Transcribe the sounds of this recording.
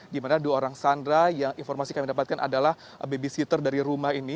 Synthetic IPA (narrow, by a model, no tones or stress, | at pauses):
dimanaduaoɾaŋsandɾajaŋinfɔrmasikamidapat̪̚kanʔa̰dalah | bebisit̪ərdaɾiɾumahɦini